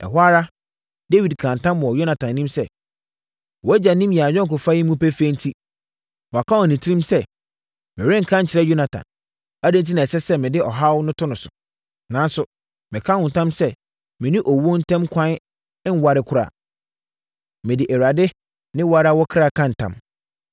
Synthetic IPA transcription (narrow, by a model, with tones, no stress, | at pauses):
ɛ̰˨ɦʷa˦ɾa˦ | de˦wi˨dkʰã˨n˨tã˦mmʊ̃˨ɔ˨jo˦na˨tʰã˨nːĩ˦msɛ˦ | wɔ˨˦æ˦d͡ʑa˨nĩ˦mjɛ˨a˨ɲᶣɛ̃˦ŋ˨k̬ʊ˨fa˦ji˦mũ˦pɛ˦fe˦n̩˦tʰi˦ | wa˨kʰa˦wɔ˨nĩ˨tʰĩ˦msɛ˦ | mɪ̃˨ɾɪ̃˦ŋ̩˨kʰã˦ɲ̩˨t͡ɕʰɪ˨ɾɛ˦jo˦nã˨tʰã̰˨n | æ˦de˦n̩˦t̬i˦nã˨sɛ˦sɛ˦mɪ̃˨dɪ˦ʔɔ˨ɦa˦wnʊ̃˦tʰʊ˦nʊ̃˨sʊ̥̰˨ | nã˨˦n˦sʊ˨ | mɪ̃˨kʰa˦hʊ̃˨n̩˨tʰã˦msɛ˦ | mɪ̃˨nĩ˦ʔɔ˨wo˦n̩˦tʰɛ̃˦mkʷʰã˦n | ɪ̃˦n˦wa˨ɾɪ˨kʰʊ˦ɾa̰˨ | mɪ̃˨dɪ˨ʔæ˨wa˨dɪ˦ | nɪ̃˦wa˦ɾa˦wɔ˦kʰɾa˦˨kʰã˦n̩˨tʰã̰˨m